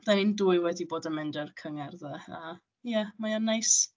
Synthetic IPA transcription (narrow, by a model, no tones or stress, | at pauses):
ðɛnɪnduːɨwɛdiboːdənmɛndərkʰəŋɛrðəa | jɛmaanajs